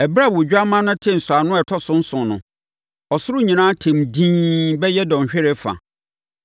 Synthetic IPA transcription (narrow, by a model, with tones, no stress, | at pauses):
ɛ˨bɾa˦˨wʊ˨d͡ʑᶣa˦mã˦nʊ̃˦tʰɪ̃˦n̩˨sʊ˨a˨nʊ̃˦ɛ˨tʰɔ˦sʊ̃˦n̩˦sʊ̃˨nʊ̃˨ | ɔ˨sʊ˦ɾʊ˦ɲĩ˨nãː˦tʰẽ˨mdĩː˦bɛ˦jɛ˦dɔ̃˨ɕᶣɪ˦ɾɛ˦fa̰˨